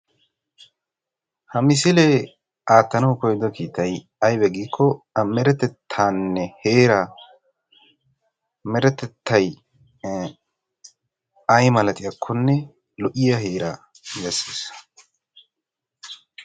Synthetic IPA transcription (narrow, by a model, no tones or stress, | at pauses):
hɐmɪs̬ɪlɛ | ʔaːt̪ːɐnɐwkɔjd̪ɔkiːt̪ɐj | ɐjbɛɡiːkʰːɔ | mɛɾɛt̪ɛt̪ʰːaːnːɛheːɾa | mɛɾɛt̪ɛt̪ːɐj | ɐjmɐlɐt̪ʼɪjɐkʰːɔnːɛ | lɔʔɪjɐɦeːɾa | bɛsːeːs